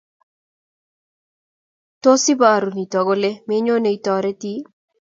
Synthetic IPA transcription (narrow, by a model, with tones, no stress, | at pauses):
to˦si˦ba˨ɾu˨ni˨tɔ˨ɡo˦le˦me˦ɲo˦ne˨i˨tɔɾe˦ti˦